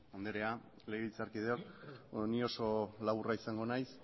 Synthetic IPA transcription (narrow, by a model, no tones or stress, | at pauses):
ond̪eɾe̞a | le̞ɣelt͡saɾkið̞eoknio̞so̞laβuraisaŋɡo̞najs